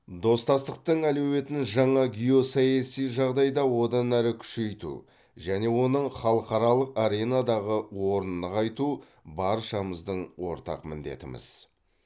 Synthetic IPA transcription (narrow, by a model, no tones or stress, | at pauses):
d̪o̞st̪ɑst̪əq̚t̪əɴælewe̞t̪ɪnʒɑɴɑɡʲijo̞sɑjɑsijʒɑʁd̪ɑjd̪ɑwo̞d̪ɑnæɾɪkʲʰʏ̥ʃe̞jt̪ṵ | ʒæne̞wo̞nəɴχɑlˠəqɑɾɑlˠəqaɾe̞nɑd̪ɑʁəwo̞ɾənːəqɑjt̪u | bɑɾʃɑməzd̪əɴwo̞̰ɾt̪ɑ̰qmɪnd̪e̞̰t̪ɪmɪ̰z̥